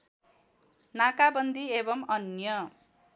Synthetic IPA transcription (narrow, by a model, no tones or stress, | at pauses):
nakabʌnd̪iebʌmʌnjʌ